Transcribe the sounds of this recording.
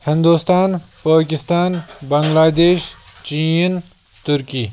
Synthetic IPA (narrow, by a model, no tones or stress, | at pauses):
hɪ̃nd̪uːst̪aːn | paːkɪst̪aːnbɐŋɡlaːd̪eːʃt͡ʃin | t̪ʊɾkiː